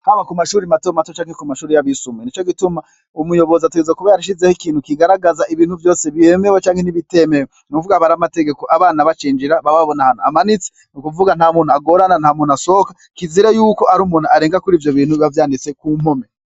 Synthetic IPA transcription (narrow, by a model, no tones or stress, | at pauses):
haβakumaʃuːɾimatomatot͡ʃaːŋhekumaʃuːɾijaβisumwenit͡ʃo̞ɡituma | umujo̞βo̞zatuɡezakuβejaɾiʃ̬izehikiːn̥hukiɡaɾaɡazaʔiβiːn̥huvjo̞ːseβemewet͡ʃaːŋhe̞niβite̞mewonukuvuɡaβaɾamate̞ɡe̞ko̞ʔaβaːnaβat͡ʃiːɲd͡ʒiɾaβaβaβonahanoamanit͡se̥ | nukuvuɡan̥haːmuːn̤uaɡo̞ɾananhaːmuːnuaso̞kḁ | kiziɾejuːko̞aɾuːmuːn̤uaɾeːŋɡakuɾiːvjoβiːn̥uavjaːndit͡se̞kum̥ome